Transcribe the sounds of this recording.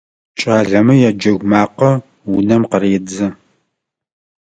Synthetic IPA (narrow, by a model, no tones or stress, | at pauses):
t͡ʃʼaːɮɐmɨjad͡ʒɐɣʷmaːqɐ | wʊnɐmqəreːd͡zɨ